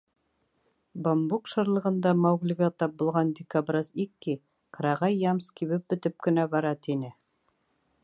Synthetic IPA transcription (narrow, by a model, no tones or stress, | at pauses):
bambukʃɤ̆ɾlˠɤ̆ʁɤ̆nd̪ɑmowɡlʲɪɡɑt̪ɑp̚bŭlˠʁɑnd̪ʲɪkabrɤzikːi | qɾɑʁɑjːɑmskʲiβɘp̚bɵ̆t̪ɵp̚kɘ̆næbɑɾɑt̪inɘ